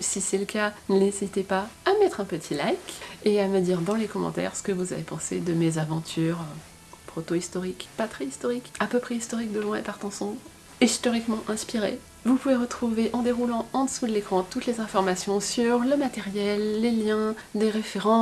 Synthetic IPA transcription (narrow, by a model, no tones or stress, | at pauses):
sisɛləkanəlezit̪epaamɛt̪χɛ̃pət̪ʰilajkeaməd̪iʁd̪ɑ̃lekɔmɑ̰̃t̪ɛ̰ʁsə̥kəvuza̰vepɑ̃sed̪əmezavɑ̃t̪ʰyʁø | pχot̪oist̪ɔʁikpat̪χɛist̪ɔʁikapøpχɛist̪ɔʁik̚d̪əlwɛ̃ḛpaʁt̪ɑ̃sɔ̃bʁ | ist̪ɔʁikmɑ̃ʔɛ̃spiʁḛ | vupuveʁət̪χuveʔɑ̃d̪eʁulɑ̃ɑ̃d̪əsud̪əlekχɑ̃t̪ut̪lezɛ̃fɔʁmasjɔ̃syʁləmat̪ɛʁjɛlːeljɛ̃ | d̪eʁefeʁɑ̃